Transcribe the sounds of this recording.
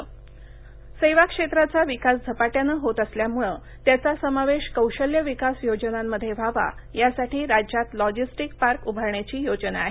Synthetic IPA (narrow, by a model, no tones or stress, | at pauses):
səjʋakʂet̪ɾat͡saʋikasd͡zʱəpaʈjanəɦot̪əsljamuɭə | t̪jat͡sasəmaʋeɕkəwɕəljəʋikasjod͡ʑnamːəd̪ʱːjeʋaʋa̰jasaʈiːɾad͡ʑjat̪lɔd͡ʑisʈikpaɾkubʱəɾɳjat͡ɕiːjod͡ʑna̰ɦe